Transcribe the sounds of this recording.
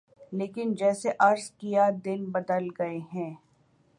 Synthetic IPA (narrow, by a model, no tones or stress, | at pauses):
leːkɪnd͡ʒɛːseʔɐɾzkijad̪ɪnbɐd̪əlɡɐeɦɛ̃ː